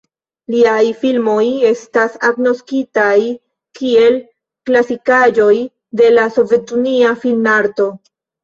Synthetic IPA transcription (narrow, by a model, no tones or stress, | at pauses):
liajfilmo̞je̞stasaɡno̞skitaj | kie̞l | klasikad͡ʒo̞j | de̞laso̞ve̞tuniafilnaɾto̞